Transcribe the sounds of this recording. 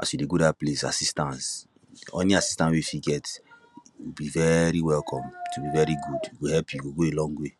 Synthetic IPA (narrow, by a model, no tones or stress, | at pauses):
a̰swideɡodaplesa̰sistãns | ɔ̰̃niasi̥stãnwefiɡɛt | wibivɛɾiwɛlkʰɔ̃mtubivɛɹiɡudwihɛlpʰjuɡoɡoelɔ̃ŋɡwe